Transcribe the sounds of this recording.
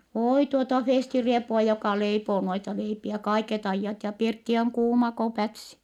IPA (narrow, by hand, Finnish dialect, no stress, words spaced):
oˑi tuotɑ feˑstiriepuɑ jokɑ leipoː noitɑ leipiæ kɑiket ɑijːɑt jɑ pirtːi oŋ kuːmɑ ko pætsi